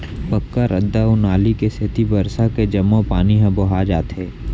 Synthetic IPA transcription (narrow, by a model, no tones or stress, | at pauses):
pəkːaɾʔəd̪ːaʊnaːlikesɪt̪ibəɾsaked͡ʒɐmːõpaːniɦə̃boɦad͡ʒaːt̪ɦɛː